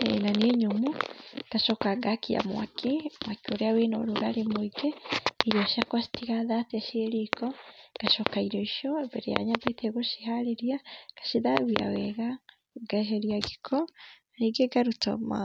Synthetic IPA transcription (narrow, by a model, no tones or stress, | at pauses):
ɛ̰naneɲomuɡ̥aʃɔkaɡakia̰mw̰a̰kimwakioɾɛawenɔ̰ɾuɣaɾemoiɡɛiɾiɔʃiakwasi̥tiɣaðataʃieɾikɔɡ̥aʃɔkaiɾɔiʃɔβɛɾɛa̰ɲabɛt̪ɛɣoʃihaɾeɾiaɡ̥ḁʃiðaβia̰wɛɣa | ɡaɦɛɾiaɡikʰɔaɾeɡɛɡaɾutɔ̰ma̰